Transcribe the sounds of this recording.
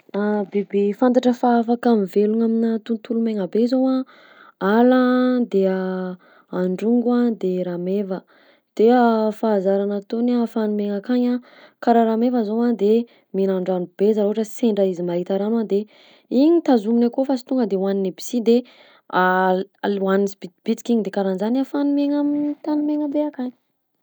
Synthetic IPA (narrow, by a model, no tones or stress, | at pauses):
abebefant̪̬aʈ͡ʂəfaafakamiveluŋaminat̪unt̪ulumeŋəbezowa | alad̪ea | aɳɖ͡ʐuŋɡad̪eɾamevə | d̪̥eafaːzaɾanat̪onafanumeŋakaɲa | kaɾaɾamevəzowad̪e | minaɳɖ͡ʐanub̥ezaɾoɦaʈ͡ʂəseɳɖ͡ʐəizimaɦit̪aɾanad̪e | iɲit̪azuminakofasi̥t̪uŋɡəd̪ewaninibi̥sid̪e | alwanizibib̥it͡si̥kiɲid̪ekaɾanzanafanumeŋamit̪anumeŋəbeakaɲ